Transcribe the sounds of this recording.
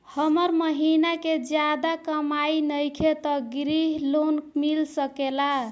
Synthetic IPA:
həməɾməɦinaked͡ʒjad̪akəmainəjkʰet̪əɡɾiɦlonmilsəkela

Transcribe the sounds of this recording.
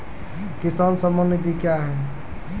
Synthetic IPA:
kisansəmənit̪ikjaɦɛ

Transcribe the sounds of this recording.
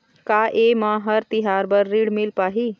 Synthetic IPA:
kaːʔemãɦəɾt̪ɪɦaːɾbəɾːiːɽmɪlpaːɦiː

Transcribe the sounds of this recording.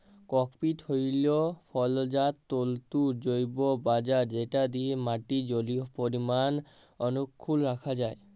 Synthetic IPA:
kɔkpit̪hojlopʰɔld͡ʑat̪ːolt̪uɾd͡ʑojbobad͡ʑaɾd͡ʑeʈad̪iemaʈid͡ʑoliopoɾiman | ɔnukʰːulɾakʰad͡ʑae

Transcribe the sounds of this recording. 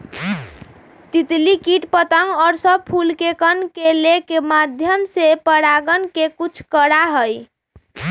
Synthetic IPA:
t̪it̪likiʈpət̪əŋɡɔɾsəb̚pʰulkekənkelekemad̪ʱjəmsepəɽaɡənkekut͡ʃʰkəɽaɦəj

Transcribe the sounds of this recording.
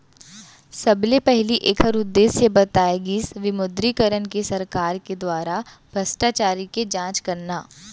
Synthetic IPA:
sɐblepɛɦliʔeːkʰəɾʊd̪ːeːsjebɐt̪aːeɡisʋɪmʊd̪ɾikəɾənkesɐɾkaːɾked̪waːɾa | b̥ʱɐsʈaːt͡ʃaːɾiked͡ʒãːt͡ʃkɐɾnaː

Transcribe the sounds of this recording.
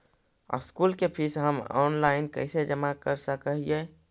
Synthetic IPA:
skulkepʰɪsɦəmɔ̰ːnlaːɪnkə̰ɪsed͡ʒəmakəɾsəkəɦie

